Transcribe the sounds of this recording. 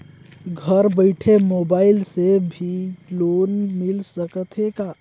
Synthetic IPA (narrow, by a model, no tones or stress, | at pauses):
ɡʱəɾbəɪʈʰemoːbaːɪlsebʱiloːnmɪlsəkət̪ʰekaː